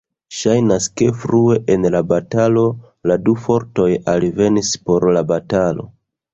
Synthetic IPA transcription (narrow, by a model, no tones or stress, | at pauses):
ʃajnaske̞fɾue̞ʔenlabatalo̞ | ladufo̞ɾto̞jalve̞nispo̞ɾlabatalo̞̰